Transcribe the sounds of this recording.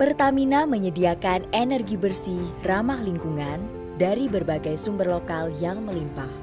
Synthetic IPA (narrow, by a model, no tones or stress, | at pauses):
pərt̪aminaməɲədiakanenərɡibərsiramahliŋkuŋan | daɾibərbaɡajsumbərlokaljaŋməlimpah